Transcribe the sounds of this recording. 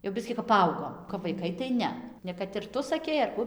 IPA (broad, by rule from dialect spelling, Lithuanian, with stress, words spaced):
jɛʊ ˈbʲɪsʲkʲiː kɐp pɐˈɐʊɡoːm kɐp ʋɐɪˈkɐɪ tɐɪ ˈnʲɛ nʲɛ kɐt ɪr ˈtʊ sɐˈkʲɛɪ ɐr ˈkʊ